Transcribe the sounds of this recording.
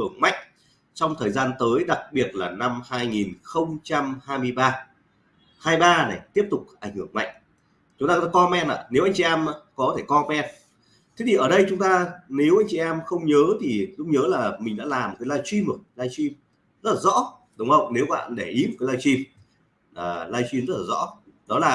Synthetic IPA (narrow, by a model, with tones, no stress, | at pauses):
ɨ˧˩əŋma̰˧˨jŋ̟ | t͡ɕɔ˧wŋ͡mt̪ʰəː˨˩jzaː˧nt̪əː˨˦jɗa˨˩k̚ɓi˨˩ət̚laː˨˩na˧mhaː˧jŋi˨˩nxə˧wŋ͡mt͡ɕa˧mhaː˧jmɨ˧əjɓaː˧ | haː˧jɓaː˧na˨˩jt̪i˦˥əp̚t̪ʊ˨˩k͡p̚ʔa˧˩jŋ̟hɨ˧˩əŋma̰˧˨jŋ | t͡ɕʊ˨˦ŋ͡mt̪aː˧kɔ˧mɛ˧mʔa̰ː˧˨ne˨˦wʔa˧jŋ̟t͡ɕi˨ʔɛ˧mː˧kɔ˨˦t̪ʰe˧˩kɔ˧mɛ˧m | t̪ʰi˨˦t̪ʰi˨˩ʔəː˧˩ɗə˧jt͡ɕʊ˨˦ŋ͡mt̪aː˧ne˨˦wʔa˧jŋ̟t͡ɕi˨ɛ˧mxə˧wŋ͡mɲəː˨˦t̪ʰi˨˩zʊ̰˦˥k͡p̚ɲəː˨˦laː˨˩mï˨˩ŋ̟ɗa̰ː˧˥laː˨˩m˨˩t̚kːa˨˦laː˧jt͡ɕwi˧mə˨˩˦laː˧jt͡ɕi˧m | zə˦˥t̚laː˨˩zɔ̰˧˥ | ɗə˨˦wŋ͡mə̰˧˨wŋ͡mne˨˦wkɓa̰ː˧˨nɗe˧˩ʔi˨˦mo˨˩kːaː˨˦laː˧jt͡ɕi˧m | aː˨˩laː˧jt͡ɕwi˧mzə˦˥t̚laː˨˩zɔ̰˧˥ | ɗɔ˨˦laː˨˩